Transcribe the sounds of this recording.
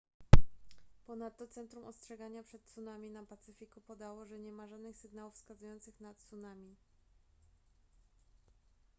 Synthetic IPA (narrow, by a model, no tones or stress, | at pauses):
pɔnat̪ːɔt̪sɛnt̪ɾumʔɔstʂɛɡaɲapʂɛt̪sunamʲinapat̪sɘfʲikupɔd̪awɔʐɛɲɛmaʐad̪nɘxsɘɡnawufskazujɔnt̪sɘxnat̪sunamʲi